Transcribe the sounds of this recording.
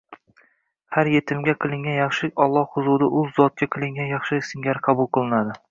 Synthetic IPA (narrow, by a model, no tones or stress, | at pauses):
haɾje̞t̪ʰɪmɡʲaqʰɨlˠɪŋɡʲanjɑχʃɪɒlˠːɒhhʊzud̪aʔʊzːɒt̪̚kʲaqʲʰɪlˠɪŋɡʲanjɑχʃɪsɪŋɡʲaɾqʰɑbʊlˠqʰɨlˠɪnad̪ɪ